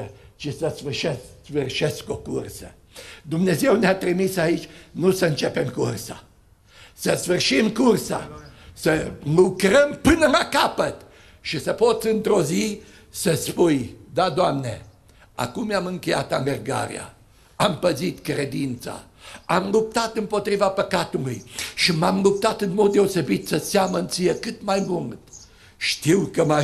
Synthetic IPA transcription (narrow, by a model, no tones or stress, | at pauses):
əʃisəsfɨrʃessfɨrʃeskokursə | d̪umne̞ze̞wneat̪ɾimisait͡ʃʲnusəɨnt͡ʃepe̞mkursa̰ | səsfɨrʃimkursa̰səlukɾəmpɨnəlakapət̪ | ʃisəpot̪sɨnt̪ɾo̞zi | səspujd̪ad̪oamne | a̰kumjamɨŋkeja̰t̪anɡərɡa̰ɾḭa̰ | ampəzit̪kɾed̪int̪sa̰ | amlup̚t̪at̪ɨmpot̪ɾivapəkat̪ulujʃimamlup̚t̪at̪ɨnmod̪̚d̪eosebit̪səsjamənt̪sijekɨt̪majbuŋɡt̪ | ʃt̪iwkəma